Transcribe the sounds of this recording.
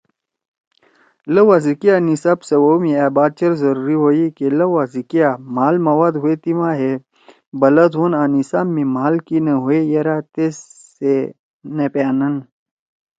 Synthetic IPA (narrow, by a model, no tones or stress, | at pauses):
lɐwazikijanisaːbsɐwomiabaːd̪̚t͡ʃɐɾzɐɾuːɾiɦoːikelɐwazikijamaːlmɐwaːd̪ɦuet̪imaɦe | bɐlɐd̪ɦonaːnisaːmːimaːlkinɐɦuejɐɾat̪es | e | nepjaːnɐn